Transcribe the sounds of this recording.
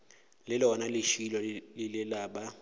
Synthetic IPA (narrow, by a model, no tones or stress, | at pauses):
lɪlɔnalɪʃilɔlɪlɪlaːɓa